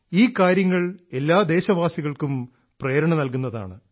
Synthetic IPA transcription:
iːkaːɾjɐŋːɐɭe̞lːaːd̪e̞ːɕɐʋaːsiɣɐɭkum | preːɾɐɳɐnɐlkunːɐða̰ːɳɨ

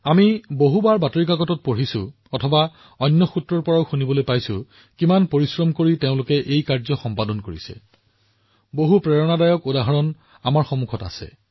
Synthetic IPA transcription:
amiboɦubaɹbatoɹik̬aɡɔtɔt̚poɹisʊ̰̃ | ɔtʰɔba | ɔnːɔxutɹɔɹpɔɹaʊxunibɔlojpajsʊ̰̃ | kimanpoɹisɹɔmkoɹiteʊ̃lʊkɛʔejkaɹzɔxɔmpadɔnkoɹḭsɛ̰ | boɦupɹɛɹɔnadajɔkodaɦɔɹɔn | amaɹxɔmukʰɔta̰sɛ̰

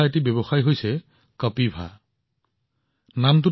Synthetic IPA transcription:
aet̬ibjebɔxajɦojsɛ | kʌpibʱa̰ | namt̬u

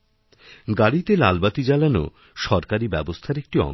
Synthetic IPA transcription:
ɡaɽit̪ela̰lbat̪id͡ʑalano̰ | ʃɔɾkaɾibɛbost̪ʰaɾek̚ʈiɔ̰

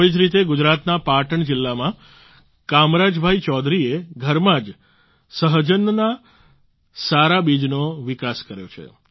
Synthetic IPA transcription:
id͡ʒɾit̪eɡʊd͡ʒɾat̪napaʈəɳd͡ʒɪlːamã | kamɾad͡ʒbʱait͡ʃɔd̪ɾieɡʱəɾmãd͡ʒ | səɦd͡ʒənːna | saɾabid͡ʒnoʋɪkaskəɾjo̰t͡ʃʰḛ

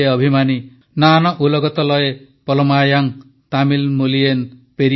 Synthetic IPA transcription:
eʌbʱimani | nanɔʔulɔɡɔt̪ɔlɔje | pɔlɔmajaŋ | t̪amilmulienpeɾi

